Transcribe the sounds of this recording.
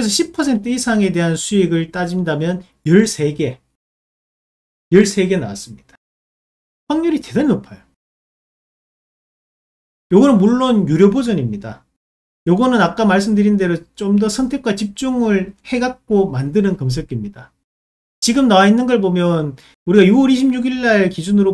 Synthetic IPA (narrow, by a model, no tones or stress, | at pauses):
ɯɾesʰʌɕʰipʰʌsʰe̞ntʰɯisʰaŋe̞de̞ɦansʰueɡɯɭt͈ad͡ʑindamjʌn | jʌɭsʰe̞ɡe̞ | jʌɭsʰe̞ɡe̞na̰wa̰s͈ɯmɲid̥ḁ | ɸaŋɲuɾite̞daɾinopʰajo | joɡʌnɯnmuɭːonjuɾjʌbod͡ʑʌɲimɲida̰ | jʌɡʌnɯnak͈amaɭs̬͈ɯmdɯɾinde̞ɾot͡ɕomdʌsʰʌntʰe̞k͈ʰwat͡ɕip̚t͡ɕ͈uŋɯɭhe̞ɡak̚k͈omandɯnɯnkʌms̬ʰek͈imɲida | t͡ɕiɡɯmnawainːɯnɡʌɭbomjʌn | uɾiɡajuwʌɾiɕʰimɲuɡiɭːaɭkid͡ʑunɯɾo